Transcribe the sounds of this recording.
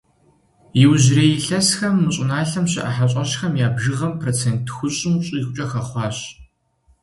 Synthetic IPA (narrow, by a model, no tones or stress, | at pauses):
jɪwʑrejɪɬɐsxɐmːɨɕʼɪnaːɬɐmɕɪ̰ʔɐħaɕʼɐɕxɐmjaːbʒɨʁɐmpʰroːt͡sʰeːntxʷʊɕʼɪmɕʼiiːxʷʊt͡ʃʼɐxɐχʷɑːɕ